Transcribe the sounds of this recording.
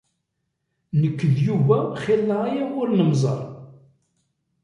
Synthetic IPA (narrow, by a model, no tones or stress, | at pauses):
nəkːəðjuvæχɪlːəajaʊɾnəmzˤɑ̰ɾˤ